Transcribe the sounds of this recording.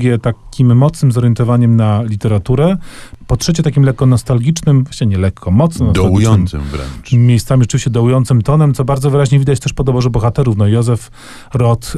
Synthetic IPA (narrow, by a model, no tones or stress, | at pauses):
ɡʲɛt̪akʲimːɔt̪snɘmzɔɾjɛnt̪ɔvaɲɛmnalʲit̪ɛɾat̪uɾɛpɔtʂɛt͡ɕɛt̪akʲimlɛkːɔnɔst̪alɡʲit͡ʂnɘmvaɕt͡ɕɛɲɛlɛkʰːɔmɔt̪snɔnɔsd̪aluijɔnmsɨ̰mvɾɛ̰mʲejst̪samʲiʐɛt͡ʂɘvʲiɕt͡ɕɛd̪ɔujɔnt̪sɘmt̪ɔnɛmt̪sɔbaɾd̪zɔvɘɾaʑɲɛvʲid̪at͡ɕt̪ɛʂpɔd̪ɔbɔʐɛbɔxat̪ɛɾufnɔjɔzɛf | ɾɔt̪